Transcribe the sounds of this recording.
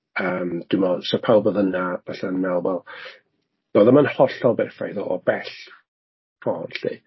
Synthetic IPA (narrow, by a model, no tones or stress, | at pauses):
əːmd̥ɪmɔsɔpʰawlˠboːðənavaɬaənːalˠwɛlˠ | d̥oːðɛmanhɔɬɔbɛrfra̰jðɔʔɔbɛɬ | pʰɔːnɬḭ